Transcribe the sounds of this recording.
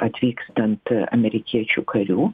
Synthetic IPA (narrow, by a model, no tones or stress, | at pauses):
ɐt̪ʲvʲikst̪ɐnt̪ɐ̰mʲeɾʲɪkʲʰit͡ɕʊkʰɐɾʲu